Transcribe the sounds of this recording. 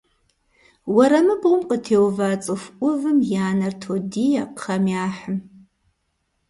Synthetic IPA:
wɐɾɐmɨbʷʊmqʼətʰeːwvat͡sʼɨxʷʔʷʊvɨmjaːnɐrtʰodijapχɐmjaːħəm

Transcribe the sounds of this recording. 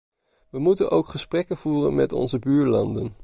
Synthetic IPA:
ʋəmutənʔowkχəsprɛkənv̥uːrə̰nmɛ̰tɔ̰nzəbyːɹlɑndən

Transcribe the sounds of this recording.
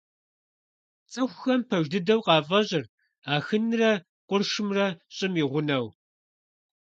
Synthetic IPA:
t͡sʼɨxʷxɐmpʰɐʒdɨdɐwqɑːvɐʑɪr | aːxɨnrɐ | qʷʊrʃɨmrɐɕʼɪmiːʁʷʊnɐw

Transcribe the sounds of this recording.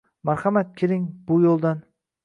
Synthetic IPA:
maɾhamat̪̚kʲʰelɾɪŋbʊjolˠd̪an

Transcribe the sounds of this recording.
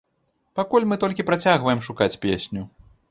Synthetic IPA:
pakulʲmɨt̪ɔlʲkʲipɾat͡sʲaɣvɐjɛmʂukat͡sʲpʲesʲnʲu

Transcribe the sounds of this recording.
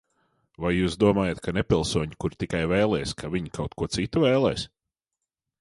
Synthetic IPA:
vajːuːsd̪uɔmaːjat̪̚kʰanepʲilˠsuɔɲikuɾt̪ikajvɛːlˠɛjskʰavʲiɲkʰawt̪̚kuɔt̪sit̪ːuvɛːlˠɛ̰ːs

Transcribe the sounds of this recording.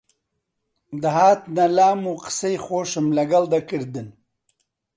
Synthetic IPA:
d̪aɦaːt̪̚nalaːmuqsejχoːʂɪmlɐɡald̪ɐkiɾd̪in

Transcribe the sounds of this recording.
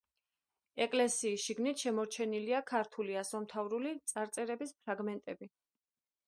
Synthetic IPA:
ɛkʼlɛsiːsʃiɡnit̪ʰʃɛmɔɾt͡ʃʰɛniliakʰaɾt̪ʰuliasɔmt̪ʰavɾulit̪sʼaɾt̪sʼɛɾɛbispʰɾaɡmɛnt̪ʼɛbi

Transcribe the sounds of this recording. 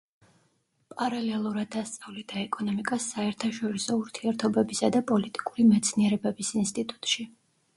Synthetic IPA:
pʼaɾalɛlˠuɾad̪ːast̪sʼavlid̪̥aɛkʼɔnɔmikʼasːaɛɾt̪ʰaʃɔɾisɔuɾt̪ʰiɛɾt̪ʰɔbɛbisad̪apʼɔlit̪ʼi̥kʼuɾimɛt̪sʰniɛɾɛbɛbisinst̪ʼit̪ʼu̥t̪ʼʃi

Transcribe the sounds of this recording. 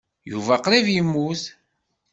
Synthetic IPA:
juvæqɾivjimːuθ

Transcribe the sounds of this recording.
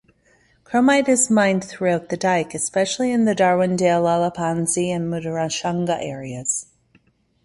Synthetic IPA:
kʰɹ̥omaɪɾɨzmãɪ̃nθɹʉaʊt̪̚ðɨdaɪkɨspɛʃl̩ˠiɨ̃nðɨdɑɹwɨ̃ndelˠɑlˠəpʰɑ̃nziɨ̃nmuɾəɹaʃɑ̃ŋɡəʔɛɹiɨz̥

